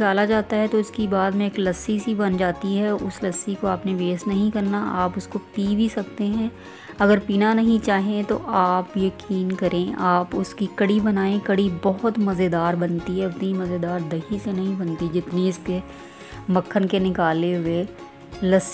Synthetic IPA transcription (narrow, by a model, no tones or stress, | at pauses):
kaːlad͡ʒaːt̪aɦɛt̪oɪskibaːd̪mẽeːklɐsːisibɐnd͡ʒaːt̪iɦɛʊslɐsːikoaːpneʋeːsnɐɦĩkɐɾnaaːpʊskopiːbʱisɐk̚t̪eɦɛ̃ː | ɐɡəɾpiːnanɐɦĩt͡ʃaːɦẽt̪oʔaːpjɐkiːnkɐɾʔẽaːpʊskikɐɽibɐnaːẽkɐɽibɐɦʊt̪mɐzed̪aːɾbɐnt̪iɦɛʊt̪nimɐzed̪aːɾd̪ɐɦisenɐɦĩbɐ̃nt̪id͡ʒɪt̪niɪske | mɐkʰːənkenɪkaːleɦʊe | lɐs